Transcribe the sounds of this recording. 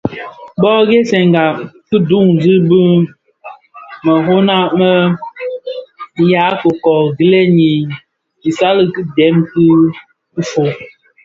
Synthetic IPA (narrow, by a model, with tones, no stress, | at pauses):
bɔ˦ɡe˦sɛ˨ŋɡa˨kɨ˦du˦˨ŋ˨zɨ˦bɨ˦ | mə˨ɦo˦na˦mə˦ | ja˨˦kə˨kɔ˨ɡi˦le˦ɲi˨ | i˨sa˦lɨ˨kɨ˦dɛ˨˦mkɨ˦ | kɨ˦fo˨